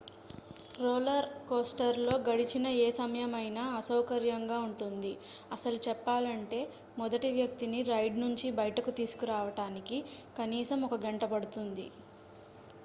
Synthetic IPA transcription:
ɾoːlɐɾkoːsʈɐɾlo̞ːɡɐɽit͡ʃinɐeːsɐmɐjɐmɐjnaːɐsɐwkɐɾjɐŋɡaːuɳʈund̪iɐsɐlut͡ʃɛpːaːlɐɳʈe̞ː | mɔd̪ɐʈiʋjɐk̚t̪iniɾɐjɖnuɲt͡ʃibɐjɐʈɐkut̪iːsu̥kuɾaːʋɐʈaːnikikɐniːsɐmɔkɐɡeɳʈɐpɐɽut̪und̪ḭ

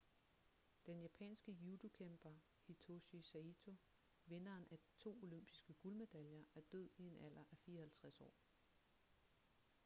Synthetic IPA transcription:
d̥enjæpʰɛ̰ːnsɡ̥əjud̥okʰemb̥ɐ | hit͡sʰo̝ɕisæit͡sʰo̝ | ʋe̝nɐːnʔæd̥i̥t͡sʰo̝̰ːo̝lømb̥isɡ̥əɡ̥ulme̝d̥æljɐʔæɐd̥øð̞̰ˠie̝næl̰ɐʔæfiːɐhælt͡sʰʁasɒ̰ː

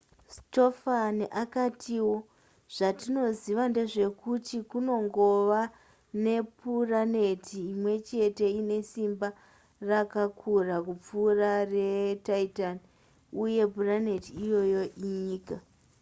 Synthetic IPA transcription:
sto̞fanʔakatʰiwo̞ | ʐ̥atino̞ziʋande̞ʐe̞kutikuno̞ŋɡo̞ʋa | ne̞puranetʰiːmwe̞t͡ʃe̞te̞ine̞simba | rakakʰurakup͡fuːrare̞taitani | uje̞burane̞tiːjo̞jo̞ʔiɲiːka

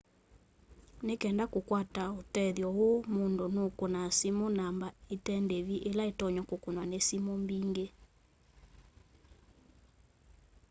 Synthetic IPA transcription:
nekɛndakokwataotɛðjɔwomondonokonasimonambaetɛndeβiʔelaetɔɲɔkokonwanesimombiŋɡe

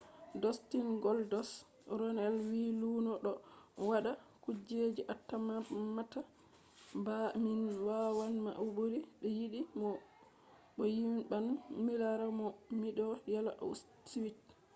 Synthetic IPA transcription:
dɔstinɡɔldɔs | ɾɔnɛlwiluːnɔɗɔwaɗakud͡ʒed͡ʒiʔatːamamːata | baminwawanmaʔwboɾiɗɔjiɗimɔ | ɓɔjimɓanmilaɾamɔmiɗɔjalaʔa̰s | twit

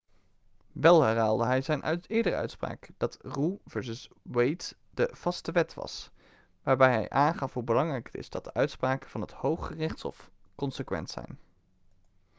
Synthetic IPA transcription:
ʋɛlˠɦɛrɦaːlˠdəɦɛjzɛjnʔœ̰tɪːɹdərəœ̰ɥtspra̰ːkd̥ɑtruvɛɹsəs | wejt | d̥əv̥ɑstəʋɛtʋɑ̰s | ʋaːɹbɛjɦɛ̰jʔaːnχɑfɦubəlɑŋrɛjkə̥tɪ̰zd̥ɑt̚d̥əʔœɥtspraːkəv̥ɑnɦəthowχχərɪχtshɔ̰fkɔnsəkʋɛ̰ntsɛ̰jn

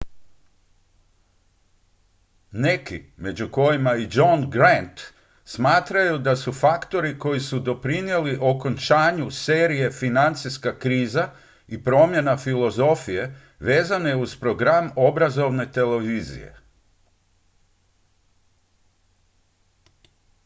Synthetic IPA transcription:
ne̞kḭme̞d͡ʑuko̞jimaid͡ʒonɡɾant̪ | smaːt̪ɾajud̪asufakt̪o̞ɾiko̞jisud̪o̞pɾinje̞liʔo̞ko̞nt͡ʃaːɲuse̞ːɾije̞finant̪siskakɾiːza | ipɾo̞mje̞nafilo̞zo̞fije̞ | ʋe̞ːzaneuz̥pɾo̞ɡɾamo̞bɾazo̞ʋne̞t̪e̞le̞ʋiːzḭje̞̰

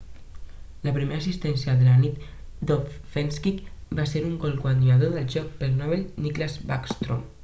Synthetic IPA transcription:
ləpɾimeɾasist̪ɛnsjəðəlanit̪ | d̪ofenskikbaseɾuŋɡɔlˠkwand̪uaðoðəlˠʒɔk̚pəlnɔβelniklazbakst̪ɾo̰m

